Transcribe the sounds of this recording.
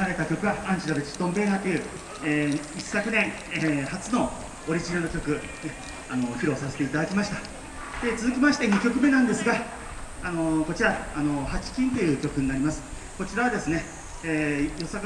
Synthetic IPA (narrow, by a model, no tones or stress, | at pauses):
aɾe̞t̪akʲo̞kɯ̟βaʔãɲt͡ɕiɾab̪et͡ɕi̥t̪õmbe̞ːnat̪ːejɯ̟ː | eːissːakɯ̟nẽ̞ŋ | ehat͡sɨno̞ | oɾʲiʑinaɾɯ̟kʲokɯ̟ | e | ano̞çiɾo̞sase̞t̪e̞it̪ad̪akʲimaɕi̥t̪a | d̪̥e̞t͡sɨzɨkʲimaɕi̥t̪e̞ɲ̟ikʲo̞kɯ̟me̞nãnd̪e̞sɨɡa | ano̞ko̞t͡ɕiɾaːno̞hat͡ɕi̥kʲĩnt̪o̞jɯ̟ːkʲo̞kɯ̟ɲ̟inaɾʲimasɨ̥ | ko̞t͡ɕiɾaβad̪e̞sɨne̞ | eːjo̞sak